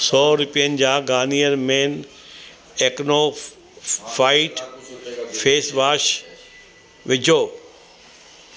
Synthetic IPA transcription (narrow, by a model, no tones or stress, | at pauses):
sɔːɾʊpijənɪ̆d͡ʑaːɡaːnijəɾmẽːn | eːkno | faːɪʈ | fʰeːsʋaːʃ | ʋɪd͡ʑʱoː